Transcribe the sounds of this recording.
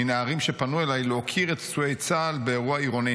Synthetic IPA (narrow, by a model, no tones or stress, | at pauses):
inaaʁimʃe̞panuelajlokʰiʁet̪t͡suejt͡saːlbeːʁuaiʁoni